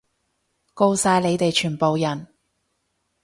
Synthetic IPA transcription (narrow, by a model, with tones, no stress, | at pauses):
ko˧wsaː˨˧jle˨˧jt̪e˨jt͡ʃʰyː˨˩npo˨wjɐ˨˩n